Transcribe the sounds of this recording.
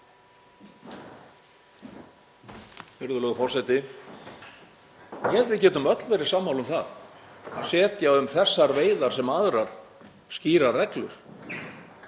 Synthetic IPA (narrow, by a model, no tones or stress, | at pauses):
fɪɾðʏlœːɣʏfɔr̥sɛjt̪ɪ | jɛlt̪vɪðcɛːt̪ʏmœt̪lvɛɾɪ̥saːmːawlʏmθaða̰ðsɛːt̪jaðʏmθɛsːaɾveːjðaɾ̥sɛmaðɾaɾ̥ | sciːɾarɛklʏ̰ɾ̥